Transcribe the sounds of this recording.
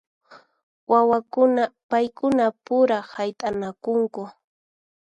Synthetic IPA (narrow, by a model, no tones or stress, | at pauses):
wawakʊnapajkʊnapʊɾahajt̪ʼanakʊŋkʊ